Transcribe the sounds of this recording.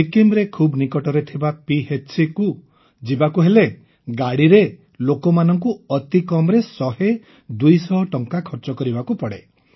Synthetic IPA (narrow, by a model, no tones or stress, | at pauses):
ikimɾekʰubnikɔʈɔɾet̪ʰibapiɦet͡ʃsiku | d͡ʒibakuɦele | ɡaɽiɾe | lokɔmanɔŋk̬uɔt̪ikɔmɾesɔɦe | d̪ujsɔɦɔʈɔŋkakʰɔɾt͡ʃɔkɔɾibakupɔɽe